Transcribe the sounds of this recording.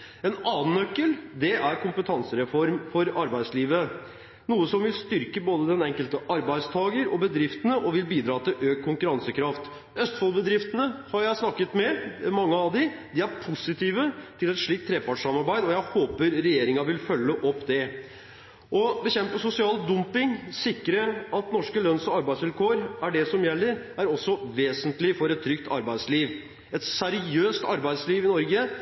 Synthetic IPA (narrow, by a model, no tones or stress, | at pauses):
ɛnɑːn̩œkːəld̪ɛʔæɾkʰʊmpət̪ʰɑnsəɾɛfɔɾmfɔɾɑɾbæɪd̪sliːʋə | nuːəsɔmʋɪlst̪ʏɾkəboːd̪əd̪ɛnɛŋkəlt̪əʔɑɾbæɪd̪st̪ʰɑːɡəɾɔbəd̪ɾɪft̪ənəʔɔʋɪlbiːd̪ɾɑːt̪ʰɪlʔøːkkʰːʊŋkʉɾɑnsəkʰɾɑft̪ | œst̪fɔlbəd̪ɾɪft̪ənəhɑɾjæɪsnɑkːət̪mɛmɑŋːəɑʋd̪ɪd̪ɪæɾpʰʊsɪt̪ʰiːʋət̪ʰɪlɛt̪ʂɭiːk̚t̪ʰːɾeːpɑʈʂɑmɑɾbæɪd̪ɔjæɪhoːpəɾɾɛjeːɾɪŋɑʋɪlfœlːəʔɔpːd̪ɛ | ʔɔbəçɛmpəsʊsɪɑːld̪ʊmpɪŋsɪkɾəɑt̪nɔʂkəlœnsɔɑɾbæɪsʋɪlkʰoːɾæɖɛsɔmjɛlːəɾ | æɾɔsːɔʋeːsənt̪lɪfɔɾɛt̪ʰːɾʏkt̪ʰɑ̰ɾbæɪsliːʋ | ɛt̪sæɾɪøːst̪ɑɾbæɪd̪sliːʋɪnɔɾɡə